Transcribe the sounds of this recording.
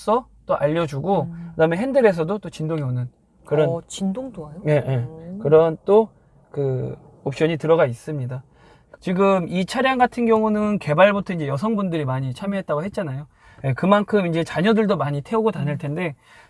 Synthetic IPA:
s͈ʌt͈oʔaʎːʌd͡ʑuɡokɯdaɯmeɦendɯɾe̞s̬ʰʌdot͈ot͡ɕindoŋeonɯn | kɯɾʌnt͡ɕindoŋdoajoje̞jekɯɾʌnt͈o | kɯ | opɕ͈ʌɲitɯɾʌɡais͈ɯmɲida | t͡ɕiɡɯmit͡ɕʰaɾjaŋɡatʰɯnɡjʌŋunɯnke̞baɭbutʰʌind͡ʑe̞jʌs̬ʰʌŋbundɯɾimaɲit͡ɕʰamjʌɦe̞t̚t͈aɡoɦet̚t͡ɕ͈anajo | je̞kɯmankʰɯmind͡ʑe̞t͡ɕaɲʌdɯɭdomaɲitʰeoɡotanɯɭtʰe̞nde̞

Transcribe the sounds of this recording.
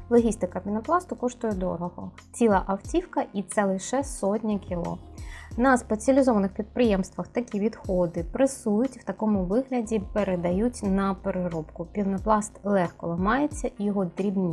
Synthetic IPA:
lˠɔɦʲist̪ɪkɐpʲinɐplˠɑst̪ʊkɔʃt̪ʊjɛd̪ɔ̰ɾɔɦɔ | t͡sʲilˠɑʔɐwtʲiwkɐʔit̪sɛlˠɪʃɛsɔtʲnʲɐkʲilˠɔ̰nɐspet͡sʲiɐlʲɪzɔʋɐnɪxpʲid̪̚pɾɪjɛmst̪ʋɐxt̪ɐkʲiʋʲid̪xɔd̪ɪpɾɐsujʊtʲw̥t̪ɐkɔmʊʋɪɦlʲɐdʲipeɾed̪ɐjutʲnɐpeɾɪɾɔpkʊpʲiwnɐplˠɑst̪lˠɛxkɔlˠɐmɑjet͡sʲːɐʔijɔɦɔd̪ɾʲibnʲi

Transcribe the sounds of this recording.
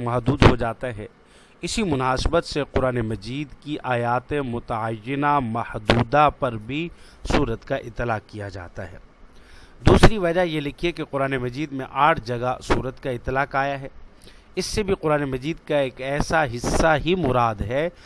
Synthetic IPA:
mɐɦd̪uːd̪ɦod͡ʒaːt̪aɦɛː | ɪsimʊnaːsɪbət̪seqʊɾaːnemɐd͡ʒiːd̪kiʔaːjaːt̪ẽmʊt̪əajːɪnamɐhd̪uːd̪apɐɾbʱi | suːɾət̪kaʔɪt̪ːɪlaːqkːijad͡ʒa̰ːt̪a̰ɦɛ̰ː | d̪uːsɾiʋɐd͡ʒajelɪkʰiekeqʊɾaːnemɐd͡ʒiːd̪mḛ̃ʔaːʈʰd͡ʒɐɡasuːɾət̪kaɪt̪ːɪlaːqaːjaɦɛː | ɪsːebʱiqʊɾaːnemɐd͡ʒiːd̪̚kaeːkɛːsaɦɪsːaɦimʊɾaːd̪ɦɛː

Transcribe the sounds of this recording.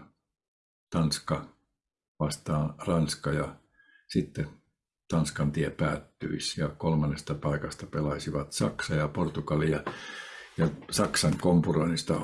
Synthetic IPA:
t̪ɑnskɑ | ʋɑst̪ɑːrɑnskɑjɑ | sit̪ːe | t̪ɑnskɑnt̪iepæːt̪ːy̰isjɑkolmɑnːest̪ɑpɑikɑst̪ɑpelɑsiʋɑt̪sɑ̰ksɑjɑport̪ukɑlijɑ | jɑsɑksɑŋkompuroinist̪ɑ̰

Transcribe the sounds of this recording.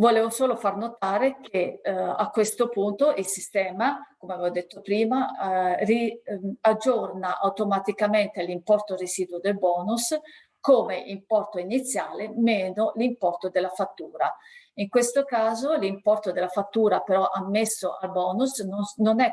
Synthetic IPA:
voleːvosoːlofarnot̪aːɾekeakːwest̪opunt̪oʔilsist̪ɛːmakomeavɛvod̪et̪ːopɾiːmariad͡ʒornaʔawt̪omat̪ikament̪elimpɔrt̪oreziːd̪uod̪elbɔːnus | koːmeʔimpɔrt̪oinit̪sːjaːlemeːnolimpɔrt̪od̪elːafat̪ːuːɾaiŋkwest̪okaːzolimpɔrt̪od̪elːafat̪ːuːɾapeɾɔʔamːesːoʔa̰lbɔːnusnononɛ

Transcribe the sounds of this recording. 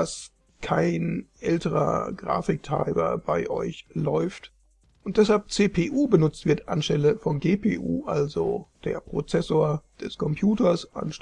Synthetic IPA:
as | kʰaɪnʔɛltəʁɐ̰ɡʁa̰ːfɪk̚tʁ̥a̰ɪbɐ̰baɪʔɔʏçlɔʏft | ʔʊnt̚d̥ɛshalp̚t͡seːpʰeːʔuːbənʊt͡stv̥ɪɐtʔa̰nʃtɛləfɔnɡeːpʰḛːʔṵːʔalzo̰d̥ḛːɐpʁ̥ot͡sɛsoːɐd̥ɛskʰɔmpʰj̥uːtɐsʔa̰nʃ

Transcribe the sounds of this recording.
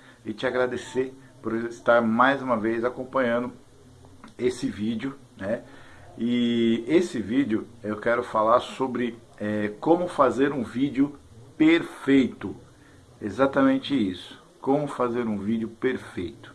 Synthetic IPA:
ɪt͡ʃɪaɡɾad̪eseɾ | poɾɪst̪aɾmajzũmɐvejzakõpɐ̃ɲɐ̃nd̪ʊ | esɪvid͡ʒʊnɛ | ɪesɪvid͡ʒjʊewkɛɾʊfalaɾsobɾɪ | ɛkõmʊfazeɾũvid͡ʒjʊ | peɾfejt̪ʊ | ezat̪ɐmẽnt͡ʃɪisʊ̥ | kõmʊfazeɾũvid͡ʒɪʊpeɾfejt̪ʊ̥

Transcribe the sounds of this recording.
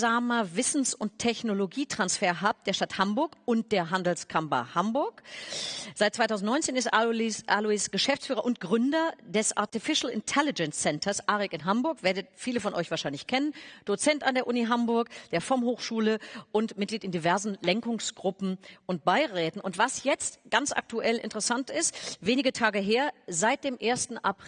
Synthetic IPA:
zaːmɐvɪsn̩sʊnttʰɛçnoloɡiːtʁ̥ansfeːɐɦaːp̚d̥eːɐʃtathambʊɐkʊnt̚d̥eːɐɦandl̩skʰampɐ̰hambʊɐk | z̥aɪt̚t͡sv̥aɪtʰaʊzn̩tnɔʏnt͡seːnɪstʔaʔaluisɡ̥əʃɛft͡sfyːʁɐʔʊnt̚ɡ̥ʁʏndɐdɛsʔa̰ɐtifɪʃl̩ɪ̰ntʰɛlɪd͡ʒɛnsɛntʰɐsʔaːʁɛkɪnɦambʊɐkveːɐdəfiːləfɔnʔɔʏçv̥aːɐʃaɪnlɪçkʰɛnənd̥ot͡sɛntandeːɐʔʊniɦambʊɐkd̥eːɐfɪɐmɦoːxʃuːləʔʊntmɪt̚ɡ̥liːtɪndivɛɐzn̩lɛŋkʊŋsɡ̥ʁʊpm̩ʔʊnt̚b̥aɪʁɛːtn̩ʊntv̥asjɛt͡stɡ̥ant͡sʔa̰k̚tuʔɛlʔɪ̰ntəʁəsantɪstveːnɪɡətʰaːɡəɦeːɐzaɪt̚d̥eːmʔeːɐstn̩ʔap

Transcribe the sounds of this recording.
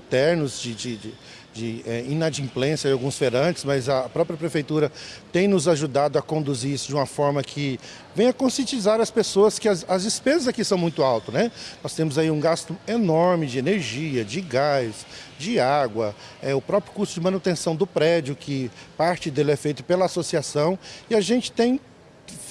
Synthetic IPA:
ĩt̪ɛɾnʊzd͡ʒɪd͡ʒɪd͡ʒɪ | d͡ʒɪɛĩnad͡ʒĩmplẽsɐd͡ʒawɡũsfeɾɐ̃t͡ʃɪ̥zmɐzɐpɾɔpɾjɐpɾefejt̪uɾɐt̪ẽj̃nʊzaʒud̪ad̪ʊɐkõnd̪uziɾisʊd͡ʒɪũmɐfɔɾmɐkʰɪ | vẽj̃ɐkõsjẽnt͡ʃizaɾɐspesoɐskɪɐzɐzd͡ʒɪspezɐzakisɐ̃w̃mũj̃t̪ʊawt̪ʊnɛnɔst̪ẽmʊzaiũɡast̪ʊenɔɾmɪd͡ʒɪeneɾʒiɐd͡ʒɪɡajsd͡ʒɪaɡwɐ | ɛʊpɾɔpɾjʊkuɾst̪ʊd͡ʒɪmɐ̃nut̪ẽsɐ̃w̃d̪ʊpɾɛd͡ʒʊkʰɪpaɾt͡ʃɪd̪elɛfejt̪ʊpelɐasosiasɐ̃w̃ɪaʒẽnt͡ʃɪ̥t̪ẽj̃

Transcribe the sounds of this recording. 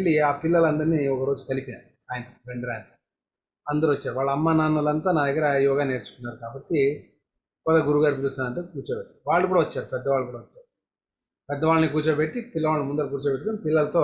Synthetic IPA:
ɭːiaːpilːɐlɐnd̪ɐɾniɔkɐɾo̞ːd͡ʒukɐlipinaː | saːjɐnt̪ɾɐmʋeɳɖɐɾaːn | ɐnd̪ɐɾuʋɐt͡ʃːaːɾuʋaːɭːɐɐmːaːnaːnːɐlɐnt̪aːnaːd̪ɐɡːɐɾɐjɔːɡaːne̞ːɾt͡ʃu̥kunːaːɾukaːbɐʈːi | kɐd̪ɐɡuɾuɡaːɾikit͡ʃuːsaːnɐɳʈukuːt͡ʃoːpeʈːaɾuʋaːɭːɐk̬uːɽaʋɐt͡ʃːaːɾupɛd̪ːɐʋaːɭːɐk̬uːɽaːʋɐt͡ʃːaːɾu | pɛd̪ːɐʋaːɭɐnik̬uːɾt͡ʃopeʈːipilːɐʋaːɭlɐnimund̪ɐlɐk̬uːɾt͡ʃopeʈːɐkonipilːɐlɐt̪oː

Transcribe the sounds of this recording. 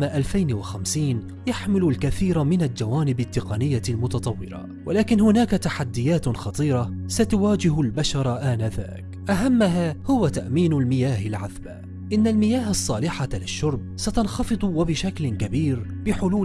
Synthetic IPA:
maʔalfajnwaxamsiːn | jaħmɪlʊlkaθiːɾamɪnald͡ʒawaːnɪbat̪ːɪqɑnɪjːalmʊt̪ɑt̪ˤɑwːɪ̰ɾɑ̰ | wʔalaːkɪnhʊnaːkat̪aħad̪ːɪjaːt̪xɑt̪ˤiːɾˤɑsat̪ʊwaːd͡ʒɪɦʊlbaʃɑɾˤɑʔaːnaða̰ːk | ʔaɦamːaɦaːhʊwat̪aʔmiːnʊlmɪjaːɦɪlʕaðba̰ | ʔɪnːalmɪjaːɦɑsˤːɑːlɪħalɪʃːʊɾˤb̚sat̪ɑnxɑfɨd̪ˤwabɪʃaklɪkabiːɾbɪħʊluː

